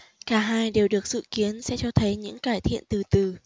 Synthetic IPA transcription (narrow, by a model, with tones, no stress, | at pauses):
kaː˧˩ɦaː˧jɗe˨˩wɗɨ˨˩ək̚sɨ̰˧˨ki˨˦ənsɛ̰˧˥t͡ɕɔ˧t̪ʰə˨˦jɲɨ̰˧˥ŋkaː˧˩jt̪ʰḭ˧˨ənt̪ɨ˨˩t̪ɨ˨˩